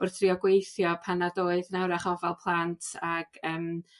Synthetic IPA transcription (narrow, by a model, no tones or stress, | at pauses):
ʊrθriɔɡwejθjɔpʰanadoːɨðnɛwɾaχɔvalˠpʰlˠantʰaɡ̥əːm